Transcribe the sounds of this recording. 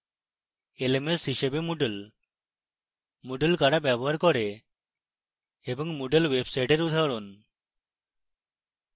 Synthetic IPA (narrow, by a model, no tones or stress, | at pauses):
elemesɦiʃebemuɖel | moɖelkaɽabjabɔɦaɾkɔɾe | ebɔŋmoɖelwebsajʈeɾud̪ʱaɾon